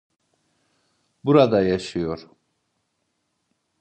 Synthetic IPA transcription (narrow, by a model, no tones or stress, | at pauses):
buɾad̪ajaʃɯjoɾ